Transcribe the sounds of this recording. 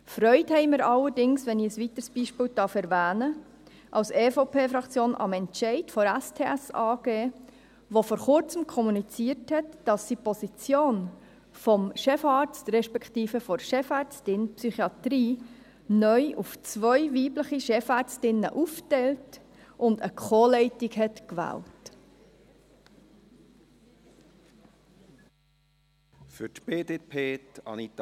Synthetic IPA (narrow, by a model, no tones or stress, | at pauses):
fɾœʏthɛɪmɪɾɑlːəɾdɪŋsʋɛnɪəsʋit̪əɾsb̥iʃpɪːltɑːfɛɾvæːnə | ʔɑlsefopʰeːfɾɑkt͡sjoːnʔɑ̰mɛntʃɛɪtfɔɾæstʰeːæsɑːɡ̥eː | ʋofɔːɾχʊɾt͡səmkʰɔmunit͡siːəɾthɛtd̥ɑsːipɔsit͡sjoːn | fɔmʃɛfɑːɾt͡stɾɛʃpɛkʰtiːfəfɔɾʃɛfɑɾt͡stɪnpsyχiɑtɾiː | nœʏʔuft͡sʋœʏʋiːbləχiʃɛfɑːɾt͡stɪnːə̰ʔuftɛlt | ʔʊndəkʰχoːlɛɪtikɦɛtkʋæ̰ːlt | fʏtb̥eːdeːpʰeːtɑ̰nit̪